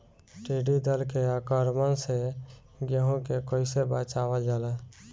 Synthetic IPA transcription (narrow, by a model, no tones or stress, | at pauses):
ʈeɖid̪əlkeakəɾmənse | ɡeɦõkekoɪsebət͡ʃaʋəld͡ʒalə